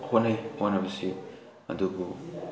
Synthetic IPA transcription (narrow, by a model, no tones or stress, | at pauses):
kʰonajanɐbɐsi | ɐ̰dubu